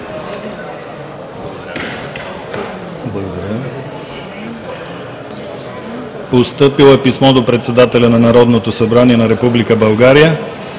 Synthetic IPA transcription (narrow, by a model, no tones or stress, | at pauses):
blˠɐɡod̪ɐɾʲjə | post̪ɤpilˠɛpismɔd̪opɾɛt̪sɛd̪at̪ɛlʲɐnɐnɐɾɔd̪not̪osɐbɾaniɛnɐɾɛpublikəbɐlˠɡaɾijə